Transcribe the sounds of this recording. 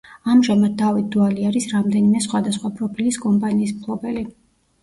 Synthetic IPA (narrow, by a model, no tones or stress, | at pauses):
amʒamad̪̚d̪avit̪̚d̪ualiaɾisɾamd̪ɛnimɛsχwad̪asχwapʼɾɔpʰiliskʼɔmpʼaniːsmkʰlˠɔbɛli